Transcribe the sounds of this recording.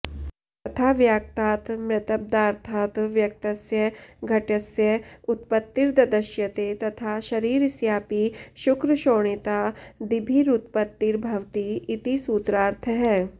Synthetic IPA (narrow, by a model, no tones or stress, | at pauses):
t̪ɐt̪ʰaːʋjaːk̚t̪aːt̪mɾɪt̪ɐb̚d̪aːɾt̪ʰaːt̪ʋjɐk̚t̪ɐsjɐɡʱɐʈɐsjɐʊt̪pət̪ːiɾd̪ɐd̪ɐʃjɐt̪et̪ɐt̪ʰaʃɐɾiːɾsjaːpiːʃukɾəʃoːɳ̃it̪aːd̪ibʱiːɾut̪̚pət̪ːiɾbʱɐʋt̪iɪt̪isuːt̪ɾaːɾt̪ʰəɦɛː